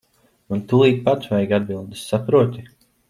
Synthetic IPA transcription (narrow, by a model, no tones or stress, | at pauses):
unt̪ulˠiːk̪̚pat̪svajɡad̪̚bilˠd̪isːapɾuɔt̪ʲi